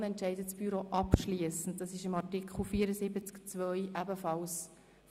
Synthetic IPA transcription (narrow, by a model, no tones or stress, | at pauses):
ɛntʃɛɪdətsb̥yɾoːʔɑpʃliəsən̩td̥ɑsɪʃɪmɑrtɪkχl̩fiːəɾəzɪbət͡skt͡sʋœʏʔæbəfɑls